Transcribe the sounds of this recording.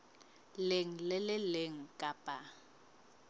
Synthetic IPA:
lɪŋ̩lɪlɪlɪŋ̩kʼapʼa

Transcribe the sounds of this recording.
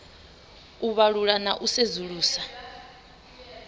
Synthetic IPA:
uβaɺuɺanaʔusezuɺuːsa

